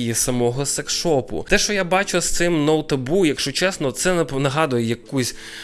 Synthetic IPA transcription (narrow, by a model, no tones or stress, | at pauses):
jisɐmɔɦɔsɐkʃɔpʊ̰t̪ɛʃt͡ʃɔjabɑt͡ʃʊst̪sɪmnɔwt̪ɐbujɐkʃt͡ʃɔt͡ʃɛsnɔt̪sɛnnɐɦɑd̪ʊjɛjɐkusʲ